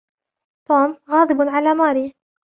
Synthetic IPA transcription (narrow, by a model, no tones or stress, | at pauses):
t̪oːmɣɑːd̪ˤɨbʕalaːmaːɾiː